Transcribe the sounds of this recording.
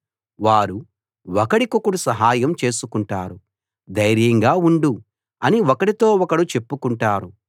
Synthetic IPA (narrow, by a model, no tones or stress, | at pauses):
ʋaːɾu | ɔkɐɽikokuɽusɐɦaːjɐmt͡ʃe̞ːsukuɳʈaːɾu | d̪ɐjɾjɐŋɡaːuɳɖu | ɐniɔkɐɽit̪oːɔkɐɽut͡ʃe̞pːukuɳʈaːɾu